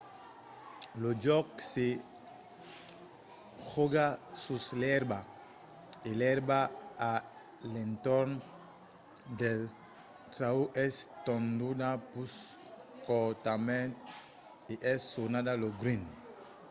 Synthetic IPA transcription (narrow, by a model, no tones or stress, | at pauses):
lod͡ʒɔkse | xoɡasuslɛɾba | elɛɾbaa | lẽnt̪ɔɾn | d̪el | t̪ɾauʔɛst̪õnd̪udapus | kɔt̪amẽnt̪ | iʔɛsːonadaloɡɾĩn